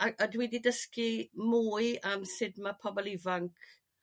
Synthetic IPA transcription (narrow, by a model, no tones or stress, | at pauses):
aədwididəskimuːɨamsɪdmapʰɔbɔlˠivaŋkʰ